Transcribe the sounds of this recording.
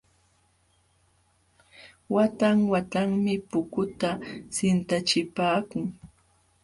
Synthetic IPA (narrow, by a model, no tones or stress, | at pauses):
wat̪aŋwat̪aŋmɪpʊkʊt̪asɪnt̪at͡ʃɪpaːkʊŋ